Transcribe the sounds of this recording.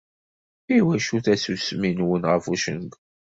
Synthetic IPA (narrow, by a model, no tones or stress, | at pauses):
iwæʃuθæsusminwənʁəfuʃə̰nɡ